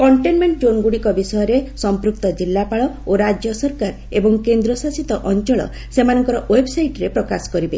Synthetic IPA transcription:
kɔɳʈenmeɳʈd͡ʒonɡuɽikɔbisɔjɔɾesɔmpɾuk̚t̪ɔd͡ʒilːapaɭɔ | oɾad͡ʒjɔsɔɾkaɾ | ebɔŋkend̪ɾɔsasit̪ɔʔɔnt͡ʃɔɭɔ̰ | semanɔŋkɔɾɔʔwebsajʈɾepɾɔkasɔ̥kɔɾibe

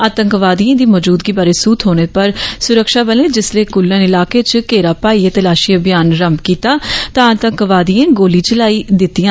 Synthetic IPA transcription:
aːt̪əŋkʋaːd̪ijãːd̪iːmɔːd͡ʒuːd̪ɡiːbaːɾeːsuːt̪ɦoːñeːpəɾsʊɾəkʃaːbəlẽːd͡ʒɪsleːkʊlːənɪlaːkeːt͡ʃkeːɾaːpaːiːeːt̪əlaːʃiːabɪjaːnɾəmbkiːt̪aːt̪ãːəːt̪əŋkʋaːd̪ijẽːɡoːliːt͡ʃlaːiːd̪ɪt̪ːijãː

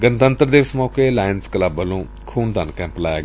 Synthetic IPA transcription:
ɡənt̪ənt̪əɾd̪eːʋɪsmɔːkeːlaːjənskəlabəlõː | kʰuːnd̪ənkɛ̃ːmplaːja̰ːɡ

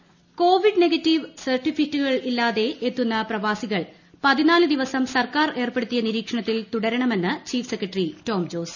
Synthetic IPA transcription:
ko̞ːʋiɖneɡɐtːiʋsɐrʈːifitːuɣɐɭilːaːðe̞ʔet̪ːunːɐprɐʋaːsiɣɐɭ | pɐðinaːlɨd̪iʋɐsɐmsɐrkaːre̞ːrpeɽut̪ːijɐniɾiːkʂɐɳɐt̪ːilt̪uɽɐɾɐɳɐme̞nːɨt͡ɕiːfsekːrɐʈrito̞ːmd͡ʑo̞ːs

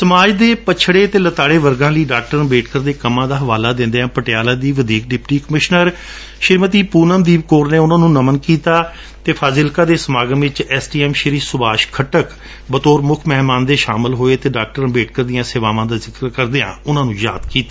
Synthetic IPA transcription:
səmaːd͡ʒd̪eːpət͡ʃʃʰɽeːt̪eːlət̪aːɽeːʋəɾɡãːləiːɖaːk̚ʈəɾbeːʈ̚kəɾd̪eːkəmãːd̪aːɦəʋaːlaːd̪ɪ̃nd̪eːãːpəʈɪjaːlaːd̪iːʋəd̪iːk̚ɖɪpʈiːkəmɪʃnəɾ | ʃɪɾmət̪iːpuːnəmd̪iːbkoːɾneːʊnãːnũːnəmənkiːt̪aː | t̪eːpʰaːzɪlkaːd̪eːsəmaːɡə̃ːʋɪt͡ʃɛːsʈiːɛːmʃəɾiːsʊbaːʃkʰəʈək | bət̪oːɾmʊkʰmɛːɦmaːnd̪eːʃaːmɪlɦoːeːt̪eːɖaːk̚ʈəɾbeːʈkəɾd̪ɪjãːseːʋaːʋãːd̪aːzɪkəɾkəɾd̪eːã̰ːʊnãːnũːja̰ːd̪kiːt̪aː

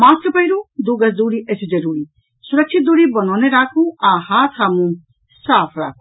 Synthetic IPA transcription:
maːst̪əpɐiɾud̪uːɡɐsd̪uːɽiʔɐsʰid͡ʒɐɾuːɾiː | sʊɾɐkt͡ʃʰit̪̚d̪uːɽibɐnɔːneɾaːkʰũaːhaːt̪ʰaːmũ | saːpʰɾa̰ːkʰũ

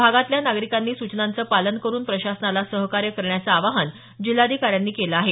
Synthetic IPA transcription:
aɡat̪ljanaɡɾikanːiːsut͡ɕnant͡səːpalənkəɾuːnpɾəɕasənalasəɦkaɾjəkəɾɳjat͡səaʋaɦən | d͡ʑil̤ːad̪ʱikaɾjanːiːkeləaɦe

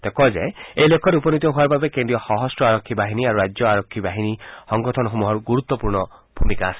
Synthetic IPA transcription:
t̪ekɔd͡ʒḛejlekʰːɔɾupɔnit̪ɔɦuaɾbabekend̪ɾijɔhɔɦɔstɔaɾɔkʰːibaɦiniaɾuɾad͡ʒjɔaɾɔkʰːibaɦinihɔŋɡɔt̪ʰɔnɔɦumuɦɔɾɡuɾut̪ːwɔpuɾɳɔ | b̥ʱumikaːsi̥

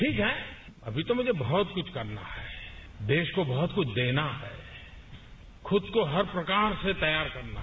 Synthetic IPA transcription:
ʈʰiːkɦɛ | ɐbʱit̪omʊd͡ʒʱebɐɦɔt̪̚kʊt͡ʃʰkɐɾna̰ɦɛ | d̪eːʃkobɐɦʊt̪kʊt͡ʃʰd̪eːnaɦɛ | xʰʊd̪koɦɐɾpɾɐkaːɾset̪ɐjaːɾkɐɾna

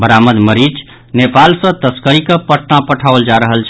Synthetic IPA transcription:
bəɾaməd̪məɾid͡ʒ | nepalsə̃t̪əskəɾikəpəʈnapəʈʰaʋld͡ʒaɾəɦəlt͡ʃʰ

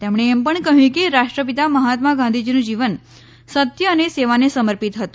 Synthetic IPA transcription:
t̪emɽ̃eːmpəɳkəɦũkeɾaʂʈɾəp̬it̪aməɦat̪maɡãnd̪ʱid͡ʒinũd͡ʒiʋən | sət̪jəːneseʋanesəməɾpit̪ɦət̪ũ

